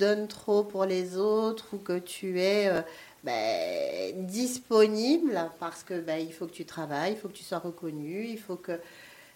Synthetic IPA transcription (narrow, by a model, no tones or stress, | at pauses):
d̪ɔnt̪χopuʁlezot̪χukət̪ʰyɛø | bɛ̰ | d̪ispɔniblpaʁsə̥kəbailfokət̪yt̪χavajilfokət̪y̥swaʁəkɔnyilfokə